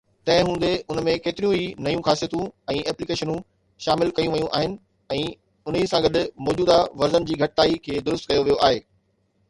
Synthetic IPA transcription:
t̪ɐ̃ɦɪ̃ɦũːn̆d̪eʊnəmẽkeːt̪ɪɾijũinɐjũxaːsijət̪ũɛ̃ːɛːplikeːʃənũ | ʃaːmɪlkɐjũʋɐjũʔa̰ːɦɪnɪ̆ | ɛ̃ː | ʊnisãɡɐɗmɔːd͡ʑuːd̪aʋɐɾzənɪ̆d͡ʑiːɡʱɐʈɪt̪aːikʰeːd̪ʊɾʊs̬t̪̚kɐjoʋijoʔaːɦeː

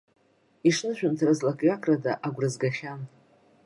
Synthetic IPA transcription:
iʂnɨʃᶣʊntʰɾazlakʼjakʰʼradaʔaɡʷrɨzɡaχʲan

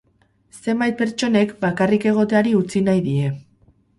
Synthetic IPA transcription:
se̞mbajt̪̚pe̞ɾt͡ʃo̞ne̞kbakarike̞ɣ̞o̞t̪e̞aɾiut͡sinajðie̞

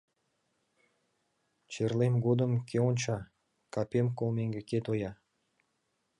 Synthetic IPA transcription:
t͡ɕerlemɡod̪ə̆mkʲeonʲt͡ɕɑ | kɑpʲemkolˠmeŋɡʲeket̪ojɑ

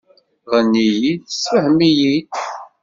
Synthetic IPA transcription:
ʁənːijid̪səhmijit̪

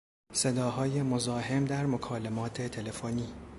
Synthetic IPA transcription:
se̞d̪ɒːɦɒːjemozɒːɦe̞md̪æɾmokʰɒːlemɒːt̪ʰet̪ʰele̞foniː

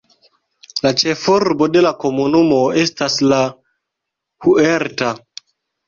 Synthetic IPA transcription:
lat͡ʃefoɾbode̞lakomunumoe̞stasla | hueɾta

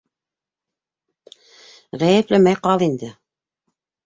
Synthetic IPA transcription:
ʁæjɘplɘmæjqɑlˠind̪ɘ

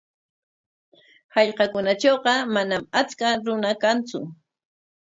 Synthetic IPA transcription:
hɑʎqɑkʊnat͡ʃoːqɑmanamat͡skaɾʊnakant͡sʊ̰

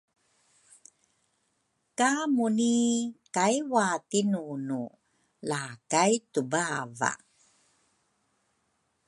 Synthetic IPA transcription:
kamunikajwatinunu | laːkajtubava̰

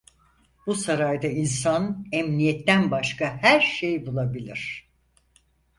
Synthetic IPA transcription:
busaɾajd̪ainsanɛmnijɛt̪ʰːænbaʃkahæɾʃejbulˠabilʲiɾ̝̥

